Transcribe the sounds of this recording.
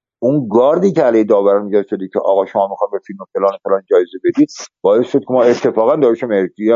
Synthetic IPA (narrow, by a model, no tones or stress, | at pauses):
ʔunɡɒːɾd̪iːcʰeælejhed̪ɒːvæɾænmiɟæʃod̪icʲʰḛʔɒ̰ːɣɒːʃomɒːmixɒːj̪befilmofelɒːnefelɒnd͡ʒɒːjezebed̪iːd̪̚b̥ɒːesʃod̪̥̚kʰemɒːe̞t̪ʰːe̞fɒːɣænd̪ɒːɾeʃomeɾkiɛ